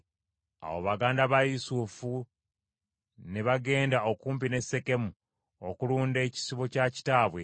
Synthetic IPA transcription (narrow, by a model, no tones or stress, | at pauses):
a̰wo̰βaɡaːndaβajusufu | neβaɡe̞ːndao̞kuːmpine̞sːe̞ke̞mu | o̞kuluːnde̞ːci̥siβo̞caci̥taːβwe̞